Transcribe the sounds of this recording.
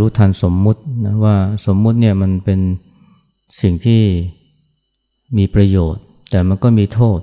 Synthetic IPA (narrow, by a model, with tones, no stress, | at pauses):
uː˦˥t̪ʰaː˧nso˩˦mːu˦˥t̪̚na˦˥waː˥˩so˩˦mːu˦˥t̪̚ni˥˩ɐma˧npe˧n | si˨˩ŋt̪ʰiː˥˩ | miː˧pɾa˧joː˨˩t̪̚ːɛː˨˩ma˧nkɔː˥˩miː˧t̪ʰoː˥˩t̪̚